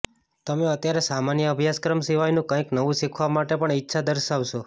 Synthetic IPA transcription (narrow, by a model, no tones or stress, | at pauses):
t̪əmeət̪jaɾesamanjəəbʱjaskɾəmsiʋajnũkə̃ĩknəʋũʃikʰʋamaʈepəɳitːʃʰad̪əɾʃaʋʃo